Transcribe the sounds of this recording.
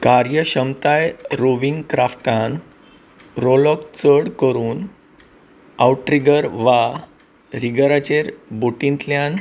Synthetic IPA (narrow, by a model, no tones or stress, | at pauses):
kaɾjəɕəmt̪ajɾoʋiŋɡkɾafʈãn | ɾolɔkt͡səɽkəɾuːn | a̰wʈːɾiɡəɾʋa | ɾiɡəɾat͡ɕeɾboʈĩnt̪ljan